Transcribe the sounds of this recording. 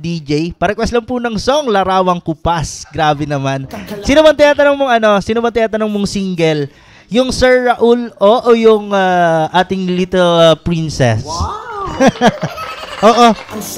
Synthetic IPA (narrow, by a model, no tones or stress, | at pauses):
d̪id͡ʒɛjpaːɾɐkʊɐslɐmpunɐŋsoŋlɐɾaːwɐŋkʊpasɡɾaːbɛnɐmansɪnɐbɐnt̪ɐjaːt̪ɐnɐŋmoŋɐno̞sinɐbɐnt̪ɐjat̪ɐnɐŋmoŋsiŋɡɛl | jʊŋsɛɹːɐʔulʔoʔojʊŋaʔaːt̪ɪŋlit̪ɛlpɹinsɛ̰s | ʔoːʔo